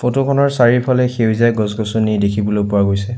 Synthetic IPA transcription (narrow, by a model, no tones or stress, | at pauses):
fotokʰɔnɔɹsaɹiɹpʰalɛxewzajɡɔzɡɔsonidekʰibɔlojpʊwaɡojsɛ